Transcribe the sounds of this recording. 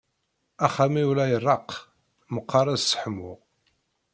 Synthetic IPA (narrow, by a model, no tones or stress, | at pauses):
æχæmiulæjərˤːɑq | məqːɑɾˤæzsə̥ħəmːʊ̰ʁ